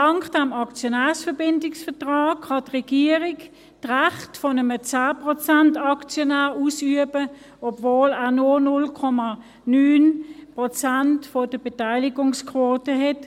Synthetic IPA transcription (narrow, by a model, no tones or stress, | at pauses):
tɑŋkd̥ɛmɑkt͡sjonæːsfɛbɪndɪksfɛɐtʁɑːkχɑtʁɛɡ̥iːəʁɪk | tʁaχtfɔnəmət͡saːpʁɔt͡santɑkt͡sjɔnæːʁuːsyəbə | ɔbvoːlæːɐnonʊlkʰɔmɑ | nyːnpʁɔt͡santfɔd̥əb̥etaɪlɪɡʊŋskʰvoːtəɦɛt